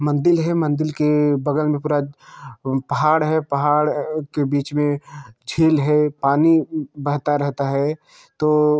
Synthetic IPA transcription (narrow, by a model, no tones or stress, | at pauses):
mɐ̃nd̪ɪlɦɛmɐ̃nd̪ɪlkebɐɡəlmẽpuːɾa | pɐɦaːɽɦɛpɐɦaːɽkebiːt͡ʃmẽd͡ʒʱiːlɦɛpaːnibɐɦt̪aɾɛɦt̪aɦɛː | t̪oː